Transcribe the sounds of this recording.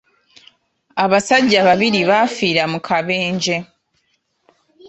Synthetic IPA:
aβasaɟaβaβiɾiβafiːɾamukʰaβe̞ːɲɟe̞

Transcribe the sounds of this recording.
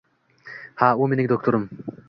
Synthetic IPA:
haumenɪŋd̪ok̚t̪oɾʊm

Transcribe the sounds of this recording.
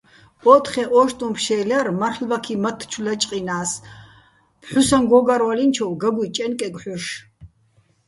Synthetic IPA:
ɔt̪ʰχɛʔɔʃt̪ʼumpʰʃɛlɛrmarχlbakʰimɐt̪ʰːt͡ʃʰulat͡ʃʼqʼinaːs | pʰħusanɡɔɡaɾwalint͡ʃʰɔwɡaɡʷut͡ʃʼɛnkʼɛɡʷʼħɔʃ

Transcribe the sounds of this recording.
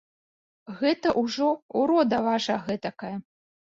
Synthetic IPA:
ɣɛt̪ɐʔuʐɔuɾɔd̪ɐvaʂɐɣɛt̪ɐkajɐ

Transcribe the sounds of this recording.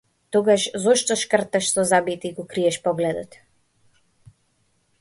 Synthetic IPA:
t̪ɔɡaʃzɔʃt̪ɔʃkər̩t̪aʃsɔzabit̪iɡɔkɾiɛʃpɔɡlɛd̪ɔt̪

